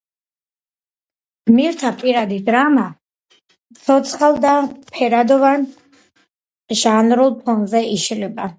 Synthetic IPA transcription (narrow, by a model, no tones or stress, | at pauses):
ɡ̥miɾt̪ʰapʼiɾad̪id̪ɾama | t̪sʰɔt̪sʰχalˠd̪apʰɛɾad̪ɔvan | ʒanɾulˠpʰɔnzɛiʃlɛba